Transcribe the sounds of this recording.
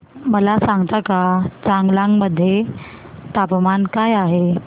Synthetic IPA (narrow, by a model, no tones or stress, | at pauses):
məlasãŋɡt̪akat͡saŋɡlãŋɡməd̪ʱːje | t̪apmankajaɦe